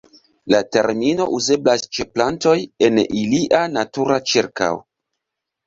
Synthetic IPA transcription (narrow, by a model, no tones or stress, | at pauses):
late̞ɾmino̞ʔuze̞blast͡ʃe̞planto̞je̞niliʔanatuɾat͡ʃiɾka̰w